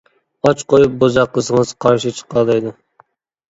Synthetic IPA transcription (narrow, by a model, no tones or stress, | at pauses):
ɑt͡ʃqojup̚bozɑqlˠəsɨŋɨzqʰɑɾʃit͡ʃʰə̥qʰɑlˠd̪ˠɨjd̪ɨ